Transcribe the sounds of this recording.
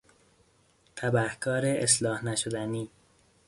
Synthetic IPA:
t̪ʰæbæhkʰɒːɾeʔeslɒːhnæʃod̪æniː

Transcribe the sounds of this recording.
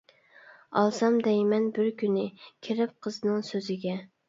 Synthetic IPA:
ɑ̰lˠsɑmd̪ɛjmɛnbɪɾkʲynɪkʲʰɪɾɪp̚qʰəznɨŋsøzɪɡʲɛ

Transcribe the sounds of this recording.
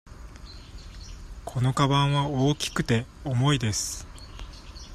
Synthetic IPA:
kʰo̞no̞kabãɰ̃βaoːkʲi̥kɯ̟t̪e̞omo̞id̪esɨ̥

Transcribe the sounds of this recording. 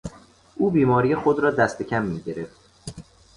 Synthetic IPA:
ʔuːbiːmɒːɾijexod̪ɾɒːd̪æst̪ʰe̞cʲʰæmːiːɟe̞ɾe̞ft̪

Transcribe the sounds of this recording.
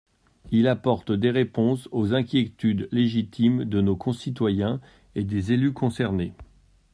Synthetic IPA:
ilapɔʁt̪d̪eʁepɔ̃sozɛ̃kʲjet̪yd̪leʒit̪ʰimd̪ənokʰɔ̃sit̪wajɛ̃ | ed̪ezelykʰɔ̃sɛʁne

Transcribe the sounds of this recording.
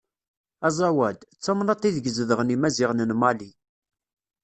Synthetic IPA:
æzˤɑwæd̪t͡sːɑmnɑt̪ˤːiðɡəzðəʁnimæziʁnənmɑli

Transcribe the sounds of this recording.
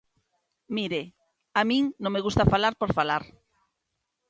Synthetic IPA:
miɾe | amĩŋnõŋmeɣust̪afalaɾpoɾfalaɾ

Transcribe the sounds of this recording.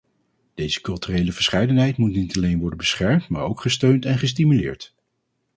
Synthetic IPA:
d̥ejzə̥kɵlˠtyrejləvəɹsχɛjdənɦɛjtmutnitɑlejnʋɔɹdənbəsχɛɹmtmaːɹowkχəstøɥntɛnχəs̬timylɪ̰ːɹt

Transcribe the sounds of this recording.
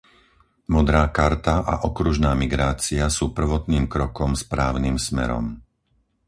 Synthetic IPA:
mɔd̪ɾaːkaɾt̪aʔa̰ʔɔkɾuʒnaːmiɡɾaːt͡siasuːpr̩ʋɔt̪niːmkɾɔkɔmspɾaːʊnimsmɛ̰ɾɔ̰m

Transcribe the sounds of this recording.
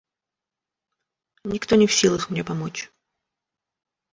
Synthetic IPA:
nʲɪkt̪onʲɪfsʲilˠəxmnʲepɐmot͡ɕ

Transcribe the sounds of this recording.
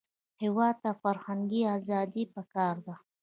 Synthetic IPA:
hɪwɑd̪̚t̪afaɾhaŋɡiazɑd̪ipakɑɾd̪a

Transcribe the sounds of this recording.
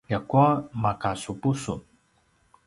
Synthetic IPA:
jakuamakasupusun

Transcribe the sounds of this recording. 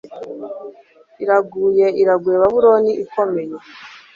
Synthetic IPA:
iɾaɡuːjeiɾaɡweβaβuɾo̞niʔiko̞me̞je

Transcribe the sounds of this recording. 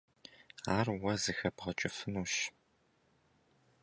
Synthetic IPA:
aːrwɐzɨxɐbʁɐt͡ʃʼɪfɨnuːʃ

